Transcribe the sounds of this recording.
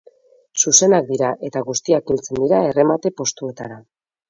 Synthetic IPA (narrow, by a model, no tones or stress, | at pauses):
suse̞nak̚d̪iɾaʔe̞t̪aɣust̪iakilt͡se̞nd̪iɾae̞re̞mat̪e̞po̞st̪ue̞t̪aɾa